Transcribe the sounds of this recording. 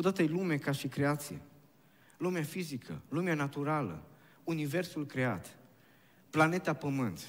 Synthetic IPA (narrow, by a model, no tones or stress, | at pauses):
od̪at̪əjlume̞kaʃikɾe̞at̪sijḛ | lumeafizikʰə̰lumeanat̪uɾalə̰ | unive̞rsulkɾe̞a̰t̪ | plane̞t̪apəmɨnt̪